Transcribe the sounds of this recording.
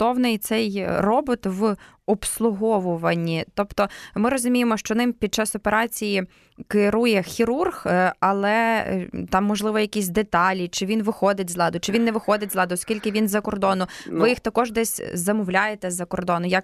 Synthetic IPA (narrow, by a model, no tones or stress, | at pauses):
t̪ɔwnɪjt̪sɛjrɔbʊt̪ʋɔpslˠʊɦɔʋʊʋɐnʲːit̪ɔpt̪ɔmɪɾɔzʊmʲijemɔʃt͡ʃɔnɪmpʲid̪̚t͡ʃɑsɔpeɾɑt͡sʲiji | kɪɾujɛxʲiɾurxɐlˠɛ̰t̪ɑmːɔʒlˠɪʋɔjɐkʲisʲd̪et̪ɑlʲit͡ʃɪʋʲinʋɪxɔd̪ɪtʲzlˠɑd̪ʊt͡ʃɪʋʲinːɛʋɪxɔd̪ɪtʲzlˠɑd̪ʊɔskʲilʲkɪʋʲinzɐkɔrd̪ɔnʊʋɪjixt̪ɐkɔʒd̪ɛsʲzɐmʊwlʲajet̪ɛzɐkɔrd̪ɔnʊjɐk